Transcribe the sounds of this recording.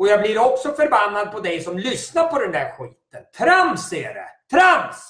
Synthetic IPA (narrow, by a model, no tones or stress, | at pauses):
ɔjaːblɪɾɔksɔfœɾbanːad̪̚pʰɔd̪ɛjsɔmlʏsnaɾpʰɔd̪ɛnd̪æɾɧiːt̪ənt̪ʰɾamsɛɖɛ̰t̪ʰɾams